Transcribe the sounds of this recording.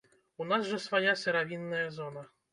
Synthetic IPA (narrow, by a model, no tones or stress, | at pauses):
unasʐɐsvajasʲɛɾavʲinːɐjɐzɔnɐ